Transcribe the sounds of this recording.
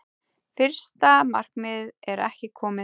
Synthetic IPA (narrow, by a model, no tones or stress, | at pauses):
fɪr̥st̪amar̥kmɪðɛɾɛhcɪkʰɔːmɪ